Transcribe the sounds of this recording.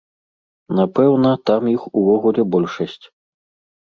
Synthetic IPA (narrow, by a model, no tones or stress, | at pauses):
napɛwnɐt̪amjixuvɔɣulʲɛbɔlʲʂɐsʲt͡sʲ